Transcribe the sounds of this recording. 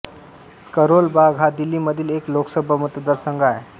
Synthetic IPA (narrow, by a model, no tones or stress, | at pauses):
kəɾolbaɡɦad̪ilːiməd̪ʱiːlekloksəbʱamut̪əd̪əɾsəŋɡae